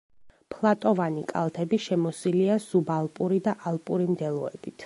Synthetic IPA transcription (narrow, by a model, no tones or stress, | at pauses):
pʰlˠat̪ʼɔvanikʼa̰lˠt̪ʰɛbiʃɛmɔsiliaz̥ubalˠpʼuɾid̪aʔalˠpʼuɾimd̪ɛlˠɔɛ̰b̥it̪ʰ